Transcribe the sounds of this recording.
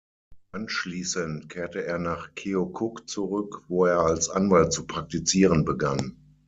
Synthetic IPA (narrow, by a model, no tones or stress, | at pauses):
ʔanʃliːsəntkʰeːɐtəeːɐnaːχkʰeokʰʊkt͡suʁʏkvoːeːɐalsʔa̰nvalt̚t͡supʁ̥ak̚tit͡siːʁənbəɡan